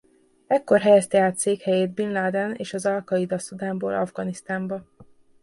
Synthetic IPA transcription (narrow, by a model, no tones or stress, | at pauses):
ɛkːo̞rɦɛjɛst̪ɛaːt̪seːkhɛjeːd̪binlaːd̪ɛnḛːʃɒzɒlkɒjid̪ɒsud̪aːmboːlʔɒ̰vɡɒnist̪aːmbɒ